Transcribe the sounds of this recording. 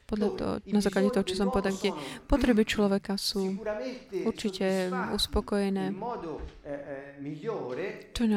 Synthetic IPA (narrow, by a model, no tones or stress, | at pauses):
pɔd̪ʎat̪ɔ̰nazaːklaɟɛt̪ɔɦɔt͡ʃɔsɔmpɔʋɛd̪akt̪ɛpɔt̪ɾɛbit͡ʃlɔʋɛkasuːut̪uɾt͡ʃicɛuspɔkɔjɛnɛːmɔːd̪o | miʎːoːɾet͡ʃɔɲɛ